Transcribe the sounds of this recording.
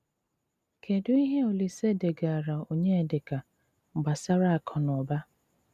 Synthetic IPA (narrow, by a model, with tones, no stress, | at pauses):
kʰe˨dʊ˦i˦ɦe˦o˨li˨se˦˨de˨ɡa˨a˨ɾa˨o˨ɲe˦e˨dɪ˨ka˨ | ŋ͡m̩˨ɡ͡ba˨sa˦ɾa˦a˨kʰɔ˨n˨ɔ˨ba˦